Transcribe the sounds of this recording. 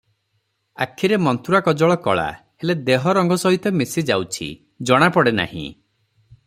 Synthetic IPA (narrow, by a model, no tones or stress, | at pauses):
a̰kʰːiɾemɔnt̪uɾakɔd͡ʒɔɭɔkɔ̰ɭa̰ | heled̪eɦɔɾɔŋɡɔsɔɦit̪ɔmesid͡ʒawt͡ʃʰḭ | d͡ʒɔɽ̃apɔɽena̰hḭ̃